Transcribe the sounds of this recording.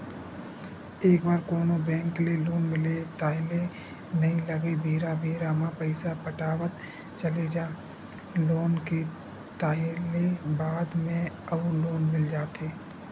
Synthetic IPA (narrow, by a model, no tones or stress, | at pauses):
eːk̚baːɾkoːnõbɛ̃ːŋkleloːnmɪlet̪aːɪle | nɐĩlɐɡebʱeːɾabʱeːɾaːmãpəɪsapəʈaːʋət̪ | t͡ʃɐled͡ʒaː | loːnke | t̪aːɪlebaːd̪mẽɐuloːnmɪld͡ʒaːt̪ʰeː